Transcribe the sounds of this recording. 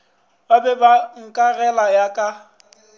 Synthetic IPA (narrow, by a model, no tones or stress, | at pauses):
babɛbaŋ̩kʼarɛlajakʼa